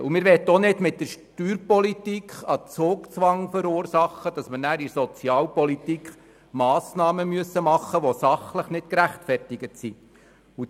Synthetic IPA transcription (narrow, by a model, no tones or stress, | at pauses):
umɪːɾʋɛt̪ːonɪdmɪt̚dəɾʃtyːɾpɔlitikχɑt͡soːkt͡sʋɑŋføɾʊːrsɑχːəd̥ɑsmənæːɾisɔt͡siɑːlpɔlitikχ | mɑːsnɑːməmyəsəmɑχːəʋosɑχləχnɪtkɾæχtfɛrtɪɡətsi | u